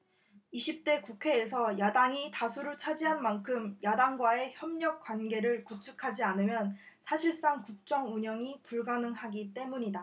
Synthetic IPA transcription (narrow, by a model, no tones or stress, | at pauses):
iɕʰip̚t͈e̞kukʰe̞ːs̬ʰʌjadaŋitasʰuɾɯɭt͡ɕʰad͡ʑiɦanmankʰɯmjadaŋɡwae̞çjʌmɲʌk̚k͈wanɡe̞ɾɯɭkut͡ɕʰukʰad͡ʑianɯmjʌn | sʰaɕʰiɭs͈aŋkuk̚t͡ɕ͈ʌŋuɲʌŋipuɭɡanɯŋhaɡit͈e̞muɲida